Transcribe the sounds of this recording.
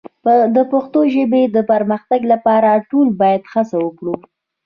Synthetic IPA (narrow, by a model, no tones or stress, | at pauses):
d̪əpaxt̪oʒəbed̪əpaɾməxt̪aɡlapɑɾaʈolbɑjad̪xasawəkɽu